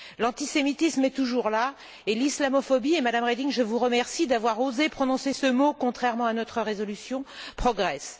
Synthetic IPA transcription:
lɑ̃t̪isemit̪ismɛt̪uʒuʁla | elislamɔfɔbiemad̪amʁed̪iŋʒəvuʁəmɛʁsid̪avwaʁozepχɔnɔ̃sesəmokɔ̃t̪χɛʁmɑ̃anɔt̪χəʁezɔlysjɔ̃pχɔɡʁɛs

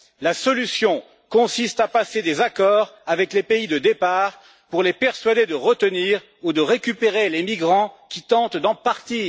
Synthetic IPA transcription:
lasɔlysjɔ̃ | kɔ̃sist̪apased̪ezakɔʁavɛklepeid̪əd̪epaːʁ | puʁlepɛʁsɥad̪ed̪əʁət̪əniːʁ | ud̪əʁekʲypeʁelemiɡʁɑ̃kʲit̪ɑ̃t̪d̪ɑ̃paʁt̪iː

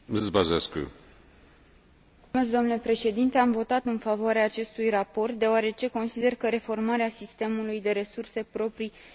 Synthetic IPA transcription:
ɨzbazeskṵ | mesd̪oamnule̞pɾe̞ʃe̞d̪int̪e̞amvo̞t̪at̪ɨnfavoaɾeaːt͡ʃe̞st̪ujrapo̞rt̪̚d̪e̞oaɾe̞t͡ʃe̞ko̞nsid̪e̞rkəɾe̞fo̞rmaɾeasist̪e̞mulujd̪e̞ɾe̞surse̞pɾo̞pɾi

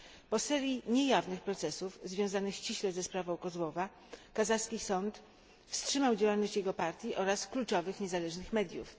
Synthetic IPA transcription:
pɔsɛɾʲjiɲɛjavnɘxpɾɔt̪sɛsuvzvʲjɔw̃zanɘxɕt͡ɕiɕlɛzɛspɾavɔ̃w̃kɔzwɔva | kazaskʲisɔnt̪ | fstʂɘmawd͡ʑawalnɔɕt͡ɕjɛɡɔpaɾt̪ʲjiʔɔɾasklut͡ʂɔvɘxɲɛzalɛʐnɘxmɛd̪ʲjuf

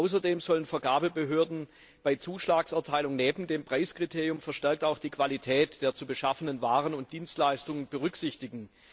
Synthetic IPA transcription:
ʔaʊs̬ɐdeːmzɔlənfɛɐɡaːbəbəɦøːɐdn̩ | b̥aɪt͡suːʃlaːksɛɐtʰaɪlʊŋneːbm̩deːmpʁ̥aɪskʁ̥itʰeːʁjʊmfɛɐʃtɛɐk̚taʊxd̥iːkv̥alitʰɛːtd̥eːɐt͡subəʃafənənvaːʁənʊnt̚d̥iːnstlaɪstʊŋənbəʁʏksɪçtɪɡŋ̩

